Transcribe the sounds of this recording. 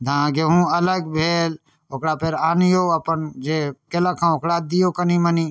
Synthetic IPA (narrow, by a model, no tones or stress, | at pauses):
d̪ʱãɡeɦũələɡbʱeːl | okɽapeɾaːnijoəpənd͡ʒekeləkʰãokɽad̪ijokəniməni